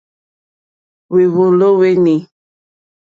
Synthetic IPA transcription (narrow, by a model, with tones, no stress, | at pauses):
we˨βo˨lo˦we˦ni˨